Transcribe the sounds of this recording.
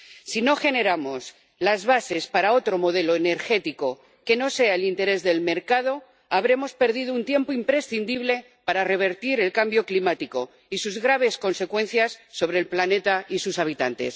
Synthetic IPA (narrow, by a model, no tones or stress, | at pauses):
sino̞xe̞ne̞ɾamo̞s | lazβase̞spaɾao̞t̪ɾo̞mo̞ð̞e̞lo̞ene̞ɾxe̞t̪iko̞ | ke̞no̞se̞aelint̪e̞ɾe̞zðe̞lme̞ɾkað̞o̞ | aβɾe̞mo̞spe̞ɾð̞ið̞ount̪je̞mpoimpɾe̞sθind̪iβle̞ | paɾare̞β̞e̞ɾt̪iɾe̞lkambjo̞klimat̪iko̞ | isuzɣɾaβ̞e̞sko̞nse̞kwe̞n̟θjasːo̞βɾe̞ːlplane̞t̪aisusaβ̞it̪a̰nt̪e̞̰s